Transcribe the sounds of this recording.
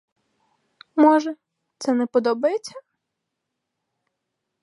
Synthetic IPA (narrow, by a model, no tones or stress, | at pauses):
mɔʒɛ | t̪sɛnɛpɔd̪ɔbɐjet͡sʲːɐ